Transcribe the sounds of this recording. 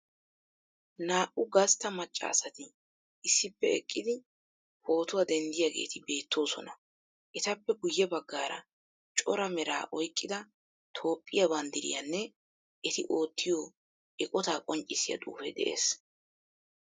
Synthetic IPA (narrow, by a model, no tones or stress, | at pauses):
naːʔʊɡɐst̪ːɐmɐt͡ʃʼːɐ̰ːsɐt̪ɪ | ɪsːɪpːɛɛ̰kʼːɪd̪ɪ | ho̞ːt̪ʊwɐd̪ɛnd̪ɪjaɡe̞̰ːt̪ɪbe̞ːt̪ːo̞ːsɔnɐ | ʔɛt̪ɐpːɛɡʊjːɛbɐɡːaːɾɐ̰ | t͡ʃʼɔɾɐmɛɾa̰ːʔɔjkʼːɪd̪ɐ | t̪ʰo̞ːpʼːɪjɐbɐnd̪ɪɾɪ̰jɐnːɛ | ʔɛt̪ɪʔo̞ːt̪ʰːɪjoː | ʔɛkʼɔt̪aːkʼɔnt͡ʃʼɪsɪjɐ̰d̪ʼṵːfɛ̰d̪ɛ̰ʔḛːs